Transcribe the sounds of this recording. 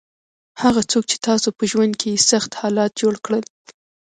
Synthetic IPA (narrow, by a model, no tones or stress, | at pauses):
haɣat͡sok̚t͡ʃe̥t̪ɑsopəʒwand̪̚kʰejesaxt̪hɑlɑt̪̚d͡ʒoɽkɽəl